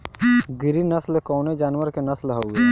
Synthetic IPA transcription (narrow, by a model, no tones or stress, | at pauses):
ɡɪɾinɐslkoːned͡ʒaːnwəɾkenɐslɦoʊɡe